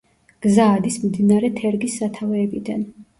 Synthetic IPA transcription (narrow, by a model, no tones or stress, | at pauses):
ɡ̥zaːd̪ismmd̪inaɾɛt̪ʰɛɾɡisːat̪ʰavɛːbid̪an